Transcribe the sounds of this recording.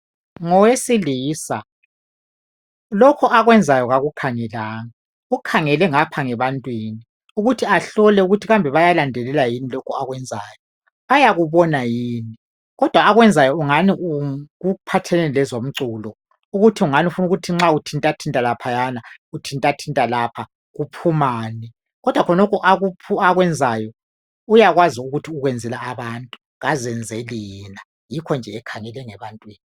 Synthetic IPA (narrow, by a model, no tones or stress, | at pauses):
ŋɔwesiliːsa | lɔkʰɔʔaɣwɛnd͡zʱajɔɣaɣukʰaŋɛlaːŋa | ukʰaŋɛlɛŋapʰaŋɛβantʼwiːni | uɣutʰiaɬɔlɛuɣutʰiɣambʱɛβajalandʱɛlɛlajinilɔkʰɔaɣwɛnd͡zʱaːjɔ | ajaɣuβɔnajiːni | ɣɔd̥ʱwaːɣwɛnd͡zʱajɔuŋaniuɣupʰatʰɛlɛnilɛzom̩ǀulɔ | uɣutʰiuŋaniufunuɣutʰiŋ͡ǁautʰintʼatʰintʼalapʰajanautʰintʼatʰintʼalapʰa | ɣupʰumaːni | ɣɔd̥ʱwakʰɔnɔkʰɔʔaɣupʰuaɣwɛnd͡zʱajɔ | ujaɣwaziuɣutʰiuɣwɛnd͡zʱɛlaːβaːntʼu̥ | ɣazɛnd͡zʱelina | jikʰɔnd͡ʒʱɛːkʰaŋɛlɛŋɛβantʼwiːni